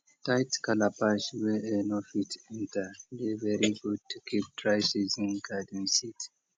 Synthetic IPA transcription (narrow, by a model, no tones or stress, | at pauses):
taɪtkʰalapaʃwɛɛnɔfitʰɛ̃ntʰədevɛɹiɡud̚tʰukʰip̚tʰɹaɪsizĩnɡadə̃nsit